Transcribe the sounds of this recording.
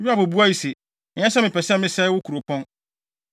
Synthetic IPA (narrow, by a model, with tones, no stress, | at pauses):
ɥi˦a˦˨bo˨bu˦a˦ji˨se˨ | ɪ̃˨ɛ̃˦sɛ˦mɪ̃˨pʰɛ˨sɛ̃˦mɪ̃˦sɛ˦wʊ˦kʰu˨ɾo˨pʰɔ̃˦n